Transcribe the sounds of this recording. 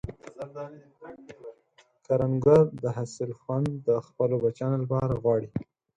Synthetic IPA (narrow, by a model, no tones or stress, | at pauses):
kaɾaŋɡaɾd̪əɦasɪlxwand̪ːəxpəlobat͡ʃɑnolapɑɾaɣwɑɽi